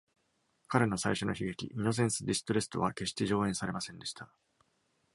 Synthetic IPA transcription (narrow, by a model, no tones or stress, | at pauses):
kaɾe̞no̞saiɕo̞no̞çiɡe̞kʲḭʔino̞s̬ẽ̞ɰ̃sɨd̪ʲisɨ̥t̪oɾe̞sɨ̥t̪o̞βake̞ɕi̥t̪e̞ʑo̞ːẽ̞ɰ̃saɾe̞masẽ̞nd̪e̞ɕi̥t̪a